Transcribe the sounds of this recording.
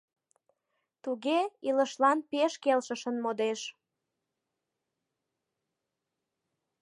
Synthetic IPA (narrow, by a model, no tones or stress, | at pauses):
t̪uɣeiləʃlɑnpeʃkelʃəʃənmod̪eʃ